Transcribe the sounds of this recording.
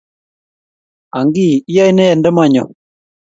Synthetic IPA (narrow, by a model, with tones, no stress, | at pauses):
a˨ŋɡi˦˨i˦a˦jnɛ˦ɛ˨ndɛ˦ma˦˨ɲɔ̰˨